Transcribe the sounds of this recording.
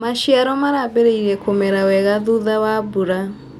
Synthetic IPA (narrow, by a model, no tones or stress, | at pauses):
maʃiaɾɔmaɾabeɾeiɾɛkomɛɾawɛɣaðuðawabuɾa